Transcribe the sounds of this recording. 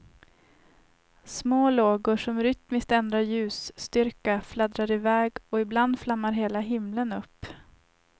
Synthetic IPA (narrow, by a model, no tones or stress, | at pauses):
smoːloːɡʊʂɔmɾʏt̪mɪst̪ɛnd̪ɾaɾjʉ̟ːst̪ʏɾkaflad̪ɾaɾɪvɛːɡɔɪbland̪flamːaɾɦeːlaɦɪmlənɵpː